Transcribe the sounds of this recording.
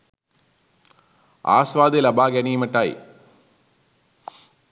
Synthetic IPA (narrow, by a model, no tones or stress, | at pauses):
a̰ːsʋaːd̪elɐbaːɡɐniːmɐʈːaːj